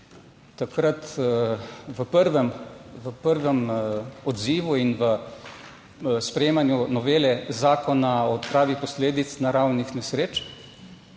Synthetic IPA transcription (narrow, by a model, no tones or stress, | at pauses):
t̪akɾat̪ | ʋəpəɾʋɛmʋəpəɾʋɛmɔd̪ziːʋuinʋə | spɾɛjeːmanjunɔʋeːlɛzaːkɔnaɔːt̪pɾaːʋixpɔsleːd̪it̪snaɾawnixnɛsɾeːt͡ʃ